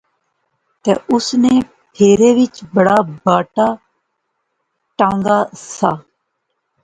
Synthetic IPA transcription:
t̪ḛːʔʊsneː | pʰeːɾeːʋɪt͡ʃbəɽaːbaːʈaː | ʈãːŋɡaːsaː

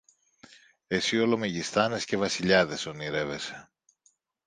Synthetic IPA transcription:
e̞sio̞lo̞me̞ʝist̪ɐne̞sce̞vɐsiʎɐðe̞so̞niɾe̞ve̞se̞̥

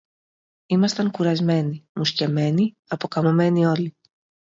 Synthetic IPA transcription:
imɐst̪ɐŋkuɾɐzme̞nimusce̞me̞ni | ɐpo̞kɐmome̞nio̞li

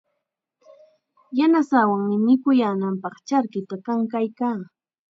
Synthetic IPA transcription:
janasawaŋmɪmɪkʊjaːnampɑχt͡ʃaɾkɪt̪akaŋkajkaː

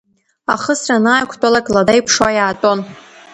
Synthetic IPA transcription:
a̰χəsranaːjkʷʰtʼalakʼladajpʰʂwajaːtʼo̞n

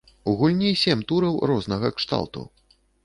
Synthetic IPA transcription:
uɣulʲnʲisʲɛmt̪uɾɐwrɔznɐɣɐkʂt̪a̰lˠt̪ṵ

